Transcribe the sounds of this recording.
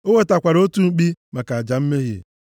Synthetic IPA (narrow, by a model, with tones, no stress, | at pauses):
o˦we˦ta˨kʷa˨ɾo˦tu˦ŋ͡m̩˦k͡pi˦ma˨ka˨a˨d͡ʒa˨m̩˦me˦ɦḭ˨